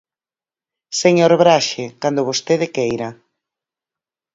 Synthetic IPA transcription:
seɲoɾβɾaʃekand̪ʊβost̪eðɪkejɾa

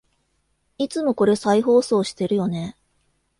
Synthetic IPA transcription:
it͡sɨmo̞ko̞ɾe̞saiɦo̞ːso̞ːɕi̥t̪e̞ɾɯ̟jo̞ne̞

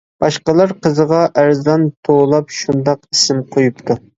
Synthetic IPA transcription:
b̥ɑʃqəlˠɑɾqʰəzəʁɑʔæɾzd̪ɑnt̪ʰolˠɑpʃund̪ɑqisɪmqʰojup̚t̪ʰu

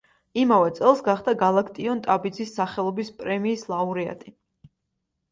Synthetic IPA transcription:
imavɛt̪sʼɛlˠsɡaχd̪aɡalˠakʰt̪ʼiɔnt̪ʼabid̪zisːaχɛlˠɔbispʼɾɛmiːslˠauɾia̰t̪ʼi

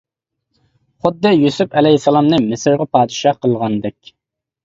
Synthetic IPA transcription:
χʊd̪ːɨjusupɛlɛsɛlˠɑmnɨmɪsɪɾʁɑpɑːd̪ɨʃɑqəlˠʁɑnd̪ɛkʲ

